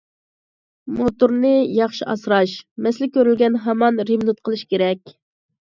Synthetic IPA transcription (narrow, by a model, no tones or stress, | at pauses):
mot̪uɾnɨjɑχʃiʔɑsɾɑʃmɛslɪkʲøɾylɡʲɛnɦɛmɑnɾiblut̪̚qʰəlˠɨʃkʲeɾɛkʲ